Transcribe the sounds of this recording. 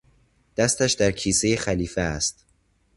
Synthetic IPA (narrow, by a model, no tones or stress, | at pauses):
d̪̥æst̪æʃd̪æɾcʰiːse̞jexæliːfeæst̪̚